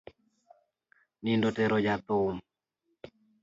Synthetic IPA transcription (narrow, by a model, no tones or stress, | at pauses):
nindotɛɾod͡ʒat̪om